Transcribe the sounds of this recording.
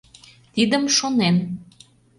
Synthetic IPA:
t̪id̪əmʃonem

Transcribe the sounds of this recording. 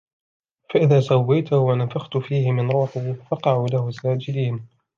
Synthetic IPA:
faʔɪðaːsawːajt̪ʊhʊwanafaxt̪ʊfiːhɪmɪnɾuːħuːfɑqɑʕuːlahʊsaːd͡ʒɪd̪iːn

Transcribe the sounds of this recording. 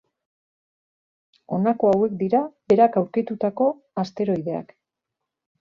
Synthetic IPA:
o̞̰nako̞awe̞k̚d̪iɾabe̞ɾakawɾkit̪ut̪ako̞ | ast̪e̞ɾo̞jðe̞a̰k

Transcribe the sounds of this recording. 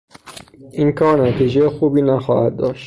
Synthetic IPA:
ʔiːnkʰɒːɾnæt̪ʰiːd͡ʒejexuːbiːnæxɒːhæd̪̚d̪ɒːʃt̪

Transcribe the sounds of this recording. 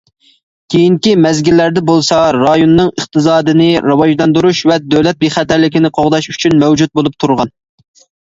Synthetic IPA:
kʲʰejiŋkʲimɛzɡʲilːæɾd̪ɛbolˠsɑɾɑjonːɨŋəχt̪ɨzɑːd̪ɨnɪɾɨwɑʒd̪ɑnd̪uɾuʃvɛd̪øwlɛt̪̚beχæt̪æɾlɪkʲinɪqʰoʁd̪ɑʃyt͡ʃʰynmɛwd͡ʒut̪̚bolˠup̚t̪ʰuɾʁɑn

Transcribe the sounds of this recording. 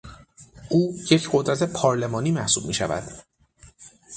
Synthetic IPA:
ʔuːjecʰɢod̪ɾæt̪ʰe̞pʰɒːɾle̞mɒːniːmæhsuːb̚miːʃævæ̰d̪̥

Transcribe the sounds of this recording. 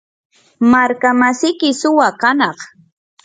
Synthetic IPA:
maɾkamasɪkɪsʊwakanɑχ

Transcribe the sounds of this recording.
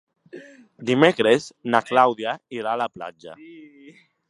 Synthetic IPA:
d̪imekɾeznaklawðjaiɾaːlapla̰d͡ʒa̰

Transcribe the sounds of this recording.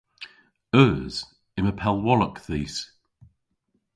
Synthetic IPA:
ɜːz̥ | ɪməpʰɛlˠwɒləkθiːs

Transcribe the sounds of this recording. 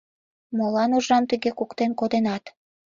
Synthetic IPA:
molɑnuʒɑmt̪əɣekukt̪enkod̪enɑt̪

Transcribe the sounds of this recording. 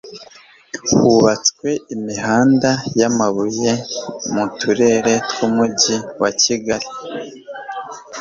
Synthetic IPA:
huβat͡skwe̞imiɦaːndajamaβuje̞mutʰuɾe̞ɾe̞tkumuɟiwaciɡaɾi

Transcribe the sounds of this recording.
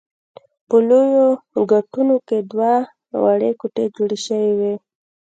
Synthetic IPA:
pəlojoɡaʈunoked̪wa | waɽekuʈed͡ʒoɽeʃəwiwe

